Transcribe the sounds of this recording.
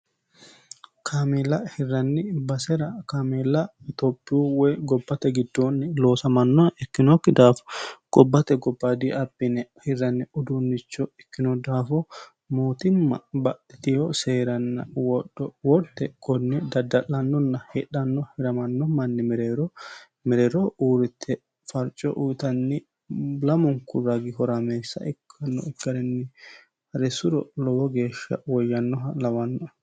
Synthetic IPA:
kʰaːmɛlɐhɪrːɐnːɪbɐsɛɾɐkaːmɛlɐ | t̪ɔpːɪuːwɛɡɔbːɐt̪ɛɡɪd̪ːoːnːɪlo̞ːsɐmɐnːɔɛkːɪnɔkːɪd̪aːfɔ̥ɡ̥ɔbːɐt̪ɛɡɔbːad̪iʔɐbːɪnɛhɪrːɐnːɛʊd̪unːɪt͡ʃːɔɛkːɪnɔd̪aːfɔ | moːt̪ɪmːɐ̰bɐɗɪt̪ɪhɔseːɾɐnːɐ̰wɔɗːɔwɔɾt̪ːɛkʼɔnːɛd̪ɐd̪ːɐlːɐnːɔnːɐhɛᶑɐnːɔhɪɾɐmɐnːɔmɐnːɪmɛɾeːɾɔ | mɛɾeːɾɔuːɾɪt̪ʰːɛ | fɐɾt͡ʃʼːɔʔuːt̪ɐnːɪ | lɐmɔŋkːʊɾɐɡɪhɔɾɐmeːsːɐ̰ʔɪkʰːɐnːɔɪkːɐɾɛnːɪ | hɐɾɛsʊɾɔ̰lɔwɔɡe̞ːʃːɐ̰wɔjːɐnːɔɦɐlɐwɐnːɔ

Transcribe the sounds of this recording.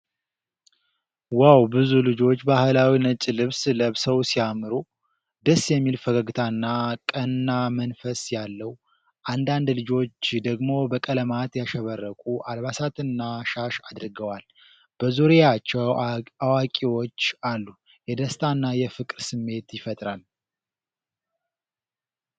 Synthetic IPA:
wawbɨzulɨd͡ʒo̞t͡ʃːbahɨlawinət͡ʃʼːilɨβsləβsəwsijamɨɾu | d̪əsːjɛmːilfəɡəɡɨt̪ʰanːakʼənɨːamənfəsjalːəw | ʔand̪and̪lɨd͡ʒo̞t͡ʃːd̪əɡmo̞bəkʼələmat̪jaʃəβərːəkʼuʔalβasat̪ʰɨnːaʃaʃad̪ɾɡəwal | b̥əzuɾijat͡ʃːɛwawakʼiwo̞t͡ʃːalːu | jɛd̪əst̪ʼʰanːajɛfɨkʼɾsɨmːe̞t̪jɪfət̪ʼɾal

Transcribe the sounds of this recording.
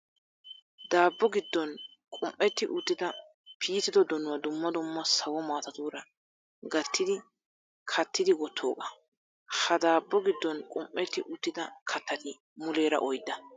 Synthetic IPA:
d̪aːbːɔɡɪd̪ːɔn | kʼʊmʔːɛt̪ːɪʔʊt̪ːɪd̪ɐ | pʰiːt̪ːɪd̪ɔd̪ɔnʊwɐd̪ʊmːɐd̪ʊmːɐsɐwɔmaːt̪ɐt̪uːɾɐ | ɡɐt̪ːɪd̪ɪ | kʰɐt̪ːɪd̪ɪwɔt̪ʰːoːkʼɐ̥ | hɐd̪aːbːɔɡɪd̪ːɔnkʼʊmʔːɛt̪ːɪʔʊt̪ːɪd̪ɐkʰɐt̪ːɐt̪ɪ | mʊle̞ːɾɐ̰ʔɔjd̪ːɐ

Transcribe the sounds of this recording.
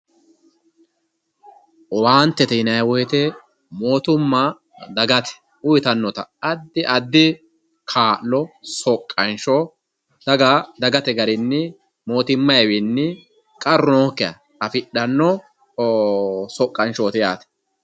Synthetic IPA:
ɔwaːnt̪ːɛt̪ɛɪnɐjwɔjɛt̪ɛ | moːt̪ʊmːɐ | d̪ɐɡɐt̪ɛ̥ | ʊjɪt̪ɐnːɔt̪ɐɐd̪ːɪʔɐd̪ːɪ | kʰaːʔlɔsɔkʼːɐnʃɔ | d̪̥ɐɡɐd̪ɐɡɐt̪ɛɡɐɾɪnːɪ | mo̞ːt̪ɪmːɐjwɪnːɪ | kʼɐɾɔnokːɛɐ̰ | ɐfɪɗɐnːɔ | sɔkʼːɐnʃɔːt̪ɪja̰ːt̪ɛ̥

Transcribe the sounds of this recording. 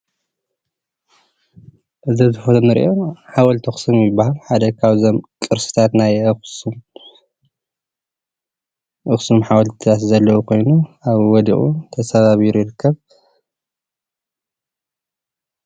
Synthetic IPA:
ʔɨzɐzɨfot̪ʰmɨɾʔo̞ħawɔlt̪ʰɐxsumjɪbːaɦalħad̪ɐkʰaβzomkʼɨɾsɨ̥t̪ʰat̪najɨxsum | ʔɨxsumħawɔlt̪ʰaszɐlːɐwukʰo̞jnuʔaβwɔd̪ḭʔʼṵt̪ʰɐsɐβaβiɾujɪɾɨkːɐβ

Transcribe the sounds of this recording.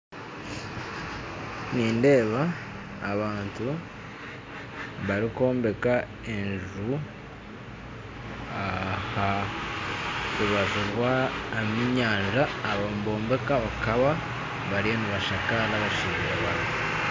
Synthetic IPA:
niːnde̞ːβaː | βaːntu | βaɾiko̞ːmbe̞ka | e̞nʒʒu | aha | uβazuɾwaemiɲaːnʒaːβomubo̞ːmbe̞kaβakaβa | βaɾienuβaʃakalaβaʃiɾeaβan | u

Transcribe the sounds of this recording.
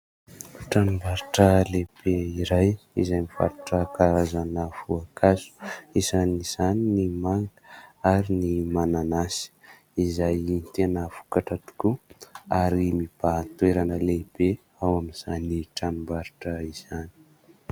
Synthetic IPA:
ʈ͡ʂanumbaɾiʈ͡ʂəleb̥eiɾajizajmifa̰ɾuʈ͡ʂəkaɾazanəv̥uakʰazu̥izaniz̥aninimaŋɡəaɾinimananasi̥ | izajint̪enəfu̥kaʈ͡ʂat̪u̥kuaɾimib̥at̪weɾanəleb̥e | awaminz̥aniʈ͡ʂanumbaɾiʈ͡ʂəiz̥ani̥

